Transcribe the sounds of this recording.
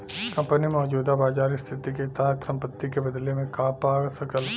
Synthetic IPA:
kɐ̃mpənimɔːd͡ʒuːd̪abaːd͡ʒaːɾist̪ʰɪt̪iket̪aːt̪sɐ̃mpət̪ːikebɐd̪lemẽkaːpaːɡsɐkəl

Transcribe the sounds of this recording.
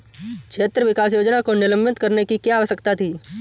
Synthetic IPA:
kʃʰeːt̪ɾəʋɪkaːs̬joːd͡ʒnakonɪlə̃mbɪt̪kɐɾnekikjaːʋəsəkt̪at̪ʰiː

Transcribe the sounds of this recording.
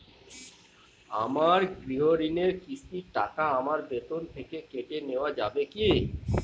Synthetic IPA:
a̰maɾɡɾiɦoɾineɾkist̪iʈa̰kaamaɾbet̪ont̪ʰekekeʈeneoad͡ʑabeki

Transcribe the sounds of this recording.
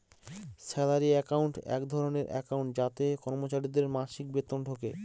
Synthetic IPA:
sɛlaɾiɛkauɳʈɛ̰kd̪ʱɔɾoneɾʔɛ̰kawɳʈ̚d͡ʑat̪ekɔɾmot͡ɕaɾid̪eɾmaʃik̚bet̪onʈʰoke

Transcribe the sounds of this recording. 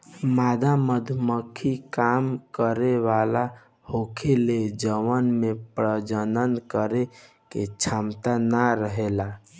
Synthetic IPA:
mad̪ʱaməd̪ʱməkʰikamkəɾeʋala | hokʰeled͡ʒəʋənmepɾəd͡ʒənənkəɾe | ket͡ʃʰamt̪anaɾəɦela

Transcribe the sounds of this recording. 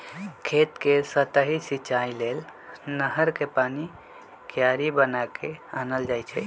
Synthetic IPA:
kʰet̪kesət̪əɦisit͡ʃailelnəɦəɾkepani | kjaɾibənakeanəld͡ʒajt͡ʃʰɛ̰

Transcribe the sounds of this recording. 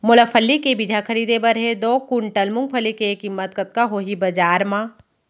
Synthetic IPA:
mʊləpʰəlːikebid͡ʒ̪ʱakʰɐɾiːd̪ebəɾɦed̪oːkʊɳʈəlmʊ̃ŋɡ̚pʰəlikeːkɪmːət̪̚kɐt̪̚kaɦoːɦibɐd͡ʒaːɾmãː

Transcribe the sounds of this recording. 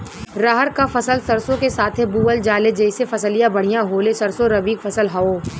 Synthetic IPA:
ɾaɦəɾkafɐsəlsɐɾsõkesaːt̪ʰɦebuːəld͡ʒaːled͡ʒɐɪsefɐsəlijãbɐɽ̤ijãɦoːlesɐɾsoɾɐbiːkfɐsəlɦɐoː

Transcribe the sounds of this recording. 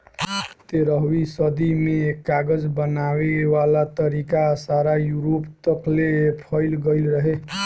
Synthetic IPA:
t̪eɾəɦwisəd̪imekːaɡəd͡zbənawewalat̪əɾikasaɾajuɾopt̪əklepʰʌɪlɡəjlɾəɦe

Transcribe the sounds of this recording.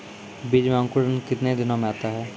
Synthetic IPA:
biːd͡ʒmẽə̃ŋkʊɾənkɪt̪ned̪ɪnõmẽaːt̪aɦɛː

